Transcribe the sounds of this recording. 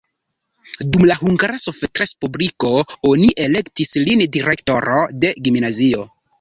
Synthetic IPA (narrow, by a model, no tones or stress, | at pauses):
dumlaɦuŋɡaɾasofetɾespubliko̞oniʔe̞le̞ktislindiɾe̞kto̞ɾo̞de̞ɡimnazio̞